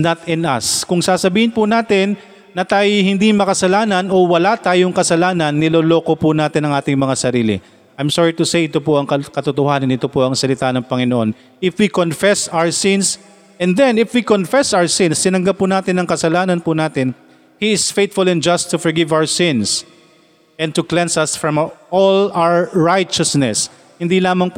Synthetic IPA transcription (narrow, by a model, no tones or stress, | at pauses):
nɐt̪ɪnɐ̰skʊŋsaːsɐbiːhɪnpʊnaːt̪ɪnː | ɐt̪aːjohɪnd̪imɐkɐsɐlaːnɐno̞wɐlat̪aːjoŋkɐsɐlaːnɐnːɪloːlo̞ːko̞pʊnaːt̪ɪnɐŋʔaːt̪ɪŋmɐŋasɐɾiːlɪ̰ | ʔajmsɔɹit̪ʊsejʔɪt̪opʊʔɐŋkɐkɐt̪ʊt̪ʊhaːnɐnɪt̪o̞poʔɐŋsɐlɪt̪aːnɐŋpɐŋɪnoʔo̞n | ɪfwikonfɛsawəɹsɪ̃ns | ʔɛnd̪ɛnɪfwikonfɛsawəsɪ̃nst̪ɪnɐŋɡɐp̚ːʊnaːt̪ɪnːɐŋkɐsɐlaːnɐnpʊnaːt̪ɪn | hiɪsfejt̪fʊlɛ̃nd͡ʒɐst̪ːʊfɔɹɡɪvawəɹsɪ̃ns | ʔɛ̃n̚t̪ʊklɛ̃nsɐsfɹɐ̃mʔolawəɹajt͡ʃɐsnɛs | hɪnd̪ilaːmɐŋp